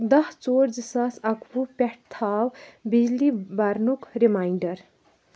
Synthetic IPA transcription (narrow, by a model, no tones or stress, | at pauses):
d̪ʌht͡soɾd͡zisasakʰupʲɛʈ̚t̪ʰawbid͡zlibaɾnukɾimajɳɖʌɾ